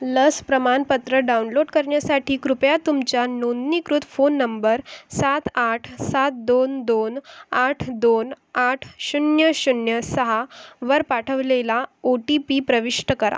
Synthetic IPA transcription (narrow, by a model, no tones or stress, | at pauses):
ləspɾəmanpət̪ɾəɖaunloɽkəɾɳjasaʈʰiːkɾupjat̪umt͡ɕjanonnikɾut̪fonːəmbəɾsat̪aʈʰsat̪̚d̪ond̪onaʈʰd̪on | aʈʰɕunjəɕunjəsəɦaʋəɾpaʈʰəʋlelaoʈipipɾəʋiʂʈəkəɾa̰